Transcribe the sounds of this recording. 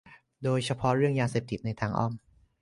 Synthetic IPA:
doː˧jt͡ɕʰa˧pʰɔ˦˥ɾɯ˥˩əŋjaː˧seː˨˩p̚t̪ʰi˨˩t̪̚na˧jt̪ʰaː˧˩ŋʔɔ̰ː˥˩m

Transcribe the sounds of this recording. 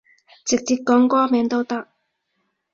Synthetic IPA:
t͡sɪ˨k̚t͡siː˧t̚kːɔː˨˥ŋkɔː˥mɛː˨˧˥ŋt̪o˥wt̪ɐ˥k̚

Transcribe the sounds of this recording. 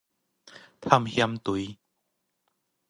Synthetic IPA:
t̪ʰa˥˧˨mhja˧mt̪u˨˦j

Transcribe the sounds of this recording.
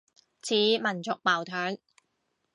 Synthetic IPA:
t͡sʰiː˨˥mɐ˨˩nt͡sʊ˨k̚paː˨˩wt̪ʰœː˨˥ŋ

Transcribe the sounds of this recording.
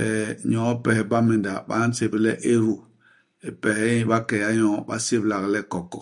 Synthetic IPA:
ɛ˨ɲɔ̃˨˦pɛ˨hɛ˨ba˦mẽ˨nda˨ɓa˦n˦se˦˨bi˦lɛ˦ʔe˦ɾu˨ | e˨pɛ˨hɛ˦ĩ˦ba˦kɛ˨ja˦ɲɔ̃˨˦ba̰˦se˦bla˨ɡlɛ˦˨kɔ˨kːɔ̰˨

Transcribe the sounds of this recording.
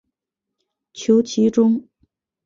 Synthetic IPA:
t͡ɕʰjo˧˥ʊt͡ɕʰi˧˥ʈ͡ʂʊ˥ŋ

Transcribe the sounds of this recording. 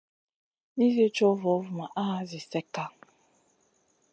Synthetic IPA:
ni˦ze˦t͡ʃɔ˦vɔ˨˦vʊ˨ma˨ʔa˦a˦zɪ˨sɛ˦ka˦

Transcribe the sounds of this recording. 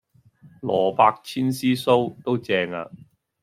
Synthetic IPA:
lɔː˨˩paː˧k̚t͡sʰiː˥nsiː˥so˥wt̪o˥wt͡sɛː˧ŋa̰ː˧

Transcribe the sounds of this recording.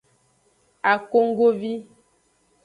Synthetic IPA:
a˨ko˦ŋ̩˦ɡo˦vi˦

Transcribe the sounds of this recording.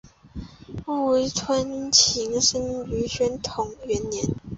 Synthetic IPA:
u˥we˧˥ɪtʰwə˥nt͡ɕʰi˧˥ŋʂə˥ŋy˧˥ɕɥɛ˧˥nt̪ʰʊ˨˩ŋɥɛ˧˥nːjɛ˧˥˦n

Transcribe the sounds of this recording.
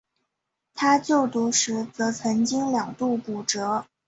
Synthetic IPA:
t̪ʰa˥t͡ɕjo˥˩ʊt̪u˧˥ʂɻ̩˧˥t͡sɤ˧˥t͡sʰɤ˧˥ŋt͡ɕi˥ŋljɑ˨˩ŋt̪u˥˩pu˨˩ʈ͡ʂɤ˧˥

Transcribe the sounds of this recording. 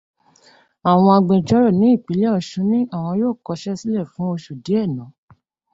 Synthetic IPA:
a˨w̃ɔ̃˧a˧ɡ͡bẽ˨d͡ʒɔ˨˦ɾɔ˦˨nĩ˨˦i˦˨k͡pi˨˦lɛ˦ɔ˧˨ʃũ˨˧˦nĩ˦a˦˨w̃ɔ̃˧joː˦˨kɔ˨˧˦ʃɛ˦si˦lɛ˦˨fũ˨˦o˧ʃu˨di˨˦ɛ˦˨nã˨˦

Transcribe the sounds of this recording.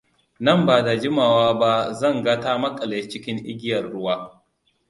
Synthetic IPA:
nɐ˦˨mbaː˨da˨d͡ʒɪ˦maː˨waː˦ba˦zɐ˦˨ŋɡɐ˦ta˦mɐ˦kʼɐ˨leː˨t͡ʃɪ˦kʲɪ˦ŋʔɪ˦ɡʲɪ˦jɐ˨rɽʊ˦waː˦

